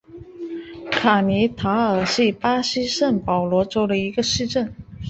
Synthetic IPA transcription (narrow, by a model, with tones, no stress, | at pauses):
kʰa˨˩mi˧˥t̪ʰa˧˥ə˨˩ɕi˥˩pa˥ɕi˥ʂə˥˩npɑ˨˩ʊlwɔ˧˥ʈ͡ʂo˥ʊdə˨˩i˧˥ɡə˧ʂɻ̩˥˧ʈ͡ʂə˥˩n